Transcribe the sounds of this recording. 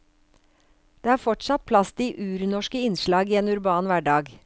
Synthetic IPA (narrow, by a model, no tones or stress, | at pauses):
d̪̥eːæːɾfɔʈsɑt̪̚pʰlɑst̪iːʔʉːɾnɔʃkəɪnʃlɑːɡiːeːnʉɾbɑːnʋæːɖɑːɡ